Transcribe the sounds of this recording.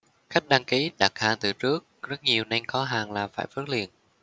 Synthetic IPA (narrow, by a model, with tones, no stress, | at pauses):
xa˦˥k̚ɗaː˧ŋki˨˦ɗa˨˩t̚haː˧˩nt̪ɨ˨˩t͡ɕɨ˦˥ək̚zə˦˥t̚ɲi˨˩əwna˧jŋ̟xɔ˨˦ɦaː˨˩ŋlaː˨˩faː˧˩jfə˦˥t̚lḭ˨ən